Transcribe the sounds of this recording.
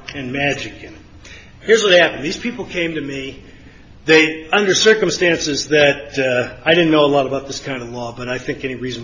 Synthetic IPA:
ɨ̃nmæd͡ʒɨkɨ̃nɨt̚ | hɪɹzwʌt̚hæpn̩ðiz̥pʰipl̩ˠkʰẽɪ̃mtɨmi | ðeɪʌ̃ndə˞sɜ˞kɨ̃mstæ̃nsɨzðɨtaɪɾɪdⁿn̩noʊəlɔɾəbaʊt̪̚ðɪskʰãɪ̃ndəvlɔbʌɾaɪθɪ̃ŋkɛñiɹiz̃n

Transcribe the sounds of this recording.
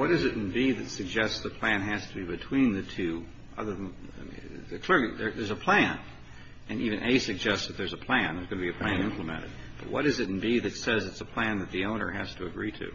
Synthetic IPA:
wʌɾɨzɨɾn̩biðɨtsɨɡ̚d͡ʒɛstsðəpʰl̥æ̃nɦæz̥tʰəbibɨtʰw̥ĩnðɨtʰʉ | ʔʌ̰ðə˞ðə̃n | kʰl̥ɪɹliðə˞ðə˞zəpʰl̥æ̃n | ɨ̃nʔivɨ̃nʔeɪsɨɡ̚d͡ʒɛstsðɨt̪̚ðə˞zəpʰl̥æ̃nðə˞zɡʌnɨbiɨpʰl̥æ̃nɪ̃mpləmɛ̰̃ɾɨ̰d̚b̥ʌ̰t̚wʌ̰ɾɨzɨɾn̩biðɨtsɛzɨtsəpʰl̥æ̃nðɨt̪̚ðiõʊ̃nə̰˞hæz̥tʰəɨɡɹiɾʉ̰

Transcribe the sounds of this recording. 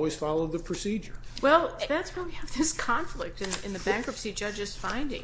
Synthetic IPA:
wiz̥fɑlˠoʊd̪̚ðɨpʰɹ̥ɨsid͡ʒə˞wɛlˠðætswəɪwiɨvðɪskʰɑ̃ɱflɪk̚tɨ̃nɨ̰̃nðɨbæ̃ŋkɹʌpsid͡ʒʌd͡ʒɨz̥fãɪ̃ndɪ̰̃ŋ

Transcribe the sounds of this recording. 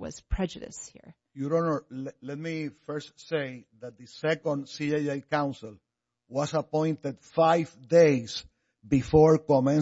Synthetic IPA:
wʌ̰z̥pʰɹ̥ɛd͡ʒɨɾɨ̰shḭɹ | juɾõnolɛt̪̚mifɜɹstsejðat̪̚ðɨsɛkõnd̪siajajkãw̃nsɪl | wasapõj̃nt̪ed̪fajvd̪ejs | bifoɹkomɛ̃n

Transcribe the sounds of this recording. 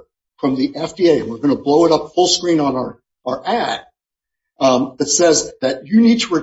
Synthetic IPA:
fɹʌ̃mðiʔɛfd̥ieɪɨ̃nwɨɹɡʌñəbloʊəɾʌpfʊlˠskɹĩnə̃nə˞ | ə˞ʔæt̚ | ðɨtsɛzðɨt͡ʃɨnid̚tʰəɹɨ

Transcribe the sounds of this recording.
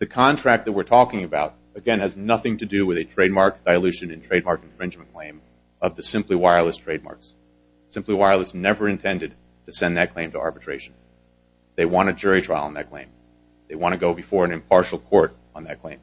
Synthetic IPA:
ðɨkʰɑ̃ntʰɹ̥æk̪̚ðɨt̚wɨɹtʰɔkɪ̃ŋɨbaʊɾ | ɨɡɛ̃nɨznʌθɪ̃ŋtʰɨdɨwɨðɨtʰɹ̥eɪd̚mɑɹk̚d̥aɪəlʉʃɨ̃nɨ̃ntʰɹ̥eɪd̚mɑɹknfɹɪ̃nd͡ʒmɨ̃nkʰl̥ẽɪ̃m | ʌvðɨsɪ̃mpliwaɪə˞lˠəstʰɹ̥eɪd̚mɑ̰ɹks | sɪ̃mpliwaɪə˞l̩ˠəstnɛvə˞ɨ̃ntʰɛ̃ndɨd̚ | tʰɨsɛ̃nðɨt̚kʰl̥ẽɪ̃mtʰəʔɑ̰ɹbɨtʰɹ̥eɪʃn̩ | ðeɪwɑ̃ɾ̃ɨd͡ʒʊɹitʰɹ̥aɪlˠə̰̃nðɨ̰t̚kʰl̥ḛ̃ɪ̃m | ðeɪwɑ̃ɾ̃ɨɡoʊbɨfɔɹɨ̃nɨ̃mpʰɑɹʃl̩ˠkʰɔɹɾ | n̩ðɨt̚kʰl̥ẽɪ̃m

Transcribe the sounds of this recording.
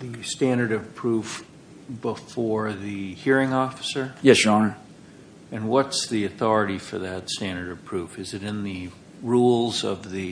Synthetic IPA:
ðɨstæ̃ndə˞ɾʌv̥pʰɹ̥uf | b̥əfɔɹðɨhiɹɪ̃ŋɔfə̥sə˞jɛsjɹ | ɨ̃nwʌtsðiɨθɔɹɨɾifə˞ðɨtstæ̃ndə˞ɾʌv̥pʰɹ̥ufɨzɨɾɨ̃nðɨ | ɹulˠzʌ̰vðɨ

